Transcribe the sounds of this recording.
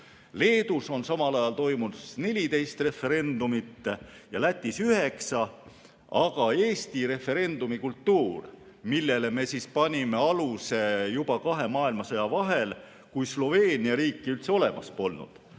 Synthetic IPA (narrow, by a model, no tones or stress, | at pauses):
le̞ːd̪̥uso̞nsɑmɑlɑjɑlt̪o̞jmunusne̞lʲit̪e̞jst̪re̞fːe̞ɾe̞nd̪umit̪ːjɑlæt̪ʲːisyhe̞ksɑ | ɑɡ̥ɑe̞ːst̪iɾe̞fe̞ɾe̞nd̪̥umikult̪ːuːr | milːe̞le̞me̞sispɑnʲime̞ɑluse̞jubɑkɑɦe̞mɑːilmɑsɤjɑvɑɦe̞l | kujslo̞ve̞ːnʲiɑɾiːkːˑiylt̪se̞o̞le̞mɑ̰spo̞lnṵd̪̥